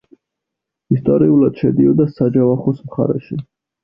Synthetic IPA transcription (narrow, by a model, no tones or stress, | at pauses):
ist̪ʼɔɾiulad̪̥ʃɛd̪iɔd̪asad͡ʒavaχɔsmχa̰ɾɛ̰ʃi